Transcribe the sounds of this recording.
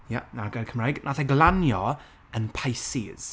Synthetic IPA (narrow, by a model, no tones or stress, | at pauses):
janaɡakʰəmrajɡnʔaθɛɡlˠanjɔ | ənpʰajsiz̥